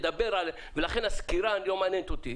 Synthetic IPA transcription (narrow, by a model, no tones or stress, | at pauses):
d̪abeɾal | velaχenaskiɾanjomanent̪ot̪i